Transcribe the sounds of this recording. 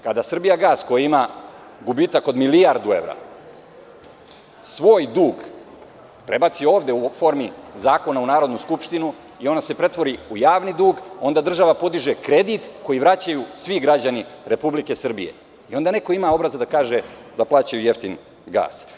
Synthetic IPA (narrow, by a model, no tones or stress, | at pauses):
kad̪asr̩bijaɡaːsko̞jiima | ɡubiːt̪ako̞d̪milijaɾd̪ue̞̰ʋɾa̰ | sʋo̞ːjd̪uːɡ | pɾe̞bat̪sio̞ːʋd̪e̞ufo̞ːɾmizaːko̞naunaːɾo̞d̪nuskupʃt̪inu | io̞nd̪ase̞pɾe̞t̪ʋo̞ɾiujaːʋnid̪uːɡo̞nd̪ad̪r̩ʒaʋapo̞d̪iʒekɾe̞d̪it̪ko̞jiʋɾat͡ɕajusʋiɡɾad͡ʑaniɾe̞publike̞sr̩bḭjḛ | io̞nd̪ane̞ko̞imao̞bɾazad̪akaːʒed̪aplˠaːt͡ɕajuje̞ft̪in | ɡa̰ːs